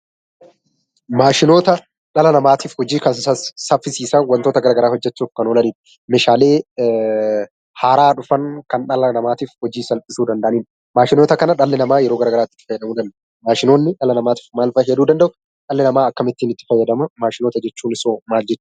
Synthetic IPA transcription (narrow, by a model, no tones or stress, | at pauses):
maːʃɪno̞ːt̪ɐ | ᶑɐlɐnɐmaːt̪iːfhɔd͡ʒiːkɐsɐssɐfːɪsiːsɐwɐnt̪o̞ːt̪ɐɡɐɾaːɡɐɾaːhɔd͡ʒːɛt͡ʃːuːfkɐnoːlɐniːn | meːʃaːle̞ː | haːɾaːᶑʊfɐŋkɐnᶑɐlɐnɐmaːt̪iːfhɔd͡ʒiːsɐlpʼɪsuːd̪ɐnd̪ɐʔɐniːn | maːʃɪnoːt̪ɐkɐnɐᶑɐlːɪnɐmaːjɛɾoːɡɐɾaːɡɐɾaːt̪ːɪ̥t̪ːɪ̥fɐjːɐd̪ɐmuːd̪ɐnd̪ | maːʃɪnoːnːɪᶑɐlɐnɐmaːt̪i̥ːfmaːlfɐjːɛɐd̪uːd̪ɐnd̪ɐʔʊ | ᶑɐlːɪnɐmaːɐkːɐmɪt̪ːiːnɪt̪ːɪ̥fɐjːɐd̪ɐmɐmaːʃɪno̞ːt̪ɐd͡ʒɛt͡ʃːuːnɪso̞ːmaːld͡ʒɛt͡ʃːʊ